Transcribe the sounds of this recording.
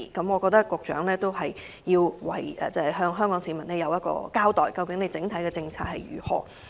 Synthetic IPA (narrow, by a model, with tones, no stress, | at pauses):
kɐ˨˥mŋɔ˨˧kɔː˧k̚t̪ɐ˥kːʷʊ˧k̚t͡ʃœ̰ː˨˥ŋlɛː˥t̪o˥wɦɐ˨j | jiː˧wwɐ˨˩jʔɛ̰ː˨t͡sɛ˥˨˩ɦœː˧ŋɦœː˥ŋkɔː˨˥ŋsiː˨˧˩mɐ˨˩nɛː˥jɐ˨˧wjɐ˥t̚kɔ̰ː˧kaː˥wt̪ɔː˨jkɐ˧wkɪ˨˥ŋne˨˧jt͡sɪ˨˧˥ŋt̪ʰɐ˨˥jkɛː˧t͡sɪ˧ŋt͡sʰa̰ː˧t̚hɐ˨jjyː˨˩hɔ̰ː˨˩